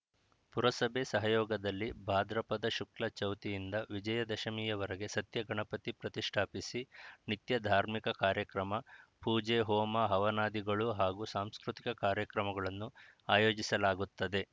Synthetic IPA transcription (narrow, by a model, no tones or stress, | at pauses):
puɾɐsɐbʱesɐɦɐjɔːɡɐd̪ɐlːibʱaːd̪ɾɐpɐd̪ɐʃuklɐt͡ʃɐwt̪ijind̪ɐʋid͡ʒɐjɐd̪ɐʃɐmiːjɐʋɐɾɐɡe̞sɐt̪jɐɡɐɳɐpɐt̪ipɾɐt̪iʂʈʰaːpisinit̪jɐd̪ʱaːɾmikɐkaːɾjɐkɾɐmɐpuːd͡ʒɛɦɔːmɐɦɐʋɐnaːd̪iɡɐɭuɦaːɡusaːmskɾut̪ikɐkaːɾjɐkɾɐmɐɡɐɭɐnːuaːjoːd͡ʒisɐlaːɡut̪ːɐd̪e̞